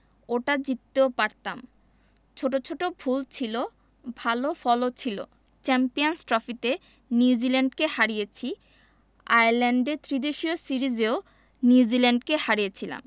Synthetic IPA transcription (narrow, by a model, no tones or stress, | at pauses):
oʈad͡ʑit̪ːeopaɾt̪am | t͡ɕʰoʈot͡ɕʰoʈobʱult͡ɕʰilo | bʱalofɔlot͡ɕʰilo̰ | t͡ɕɛmpijonsʈɾɔfit̪e | njuud͡ʑilɛɳɖkehaɾijet͡ɕʰi | a̰jaɾlɛɳɖet̪ʰɾid̪eʃiosiɾid͡ʑeo | niud͡ʑilaɳɖkehaɾijet͡ɕʰila̰m